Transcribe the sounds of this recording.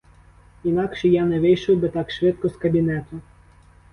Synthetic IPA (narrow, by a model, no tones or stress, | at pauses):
inɑkʃɛjɑnɛʋɪjʃɔwbɪt̪ɑkʃʋɪt̪̚kɔskɐbʲinɛt̪ʊ